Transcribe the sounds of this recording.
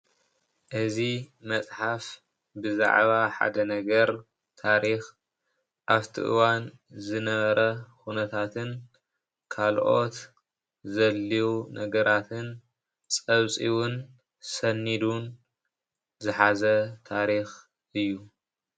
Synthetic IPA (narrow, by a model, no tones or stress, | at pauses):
ʔɨzimɐt͡sʼħaf | bɨza̰ʕβaħa̰d̪ɐnɐɡɐɾ | t̪ʰaɾix | ʔaβt̪ʰḭʔɨ̰wan | zɨnɐβɐɾɐkunɐt̪ʰat̪ʰɨn | kʰalʔo̞̰t̪ | zɐlːiwunʔɐɡɐɾʔat̪ʰɨn | t͡sʼɐβt͡sʼiwʊn | sɐnːid̪un | zɨħazɐt̪ʰaɾix | ʔɨjːu